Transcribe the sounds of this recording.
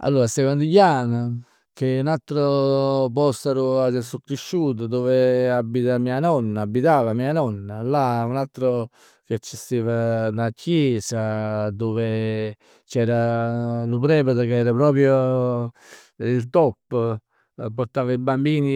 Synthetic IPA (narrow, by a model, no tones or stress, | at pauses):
a̰lːuːɾasekɔnd̪iʎːana | k̟eunalt̪ːɾop̬ɔst̪aɾuasɛsukːɾiʃːuːt̪̬ʊd̪oːveabːit̪amianɔnːaːbːit̪aːvamiːanɔnːalaunalt̪ːɾo | keat͡ʃːest̪ːeːvanacːjɛsad̪oːve | t͡ʃɛːɾalupɾɛːpat̪akeɛːɾapɾɔːpɾjo | ilt̪ɔpː | poɾt̪aːvaibambiːni